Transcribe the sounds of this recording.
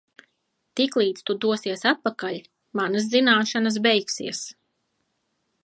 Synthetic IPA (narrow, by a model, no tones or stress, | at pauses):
t̪iklˠiːt̪st̪ud̪uɔsiɛsat̪̚pakaʎʲ | manas̬zinaːʃanas̬bɛjksiɛs